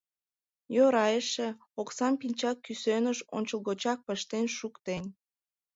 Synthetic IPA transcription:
joɾɑjəʃe | oksɑmpinʲt͡ɕɑkːysønəʃo̰nʲt͡ɕəlˠɣot͡ɕɑk̚pəʃt̪enʃukt̪en

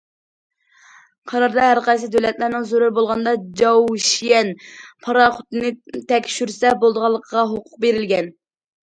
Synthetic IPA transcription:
qʰɑɾɑɾd̪ɑɦæɾqɑjs̬ɨd̪ølɛt̪læɾnɪŋzoɾuɾbolˠʁɑnd̪ɑd͡ʒɑwʃijɛnpʰɑɾɑχʊt̪ɨnɨt̪ʰɛkʲʃyɾsɛbolˠd̪əʁɑlˠːəqʰʁɑɦoqʰʊ̥q̚beɾɪlɡʲɛn

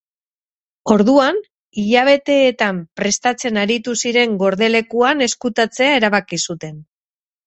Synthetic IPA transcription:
o̞ɾðuan | iʎaβ̞e̞t̪e̞ːt̪ampɾe̞st̪at͡se̞naɾit̪usiɾe̞ŋɡo̞ɾðe̞le̞kuane̞skut̪at͡se̞ae̞ɾaβakisut̪e̞n

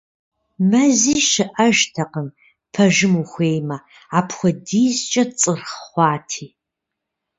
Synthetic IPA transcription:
mɐziːʃɨʔɐʒtʰɐqəm | pʰɐʒɪmuxʷeːjmɐ | aːpʰxʷɔdiːzt͡ʃʼɐt͡sʼɨrχχʷɑːtʰiː

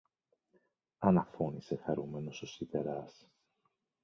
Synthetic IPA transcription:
ɐnɐfo̞nise̞xɐɾume̞no̞sosite̞ɾɐs

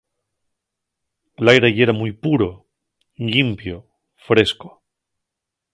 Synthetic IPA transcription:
elajɾejeɾamujpuɾo | ʎimpjo | fɾe̞sko̥

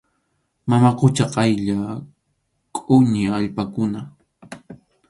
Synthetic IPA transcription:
mamaqʊt͡ʃaqɑjʎa | kʼʊɲɪaʎpakʊna

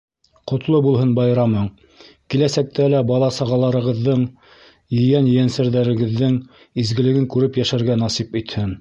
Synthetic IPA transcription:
qŏt̪lˠɤbulˠɦɤnbɑjɾɑmɤɴ | kilæsæk̚t̪ælæbɑlˠɑsɑʁɑlˠɑɾɤ̆ʁɤ̆ðːɤɴ | jɘ̆jænjɘ̆jænsæɾðæɾɘ̆ɡɘ̆ðːɘŋ | izɡɘ̆lɘ̆ɡɘŋkʉɾɘpjæʃæɾɡænɑsipit̪hɘn

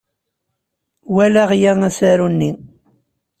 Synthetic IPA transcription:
wælæʁjæŋæsæɾunːi

